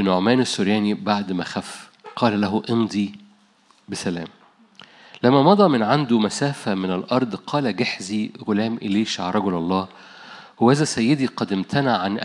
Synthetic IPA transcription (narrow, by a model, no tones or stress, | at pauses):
noʕmæːnɪsːʊɾjæːnibaʕd̪mæxæf | qʰɑːlælæɦʊʔemd̪ˤi | besælæ̰ːm | læmːæmɑd̪ˤɑːmɪnʕand̪umæsæːfæmɪnɪlʔɑɾˤd̪ˤqʰɑːlæɡaħziɣolæːmʔeleːʃʕaɾˤɑɡolʔɑlˤːɑː | howʔæzæsæjːed̪iqɑd̪ɪmt̪ʰænaʕːanʔ